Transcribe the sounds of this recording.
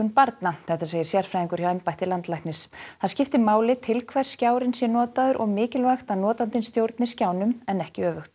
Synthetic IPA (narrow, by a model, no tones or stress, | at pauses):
ʏnpaɾt̪naθɛht̪as̬eːjɪɾ̥sjɛɾ̥fɾajðiŋkʏɾ̥çawɛmpajht̪ɪlant̪lajxtnɪsθaðscɪft̪ɪmaːwlɪt̪ʰɪlkʰvɛɾ̥scaːwɾɪnsjɛnɔːt̪aðʏɾʔɔɣmɪːcɪlvaxt̪anɔːt̪ant̪ɪnst̪jowɾt̪nɪscaːwnʏmɛnɛhcɪœːvʏxt̪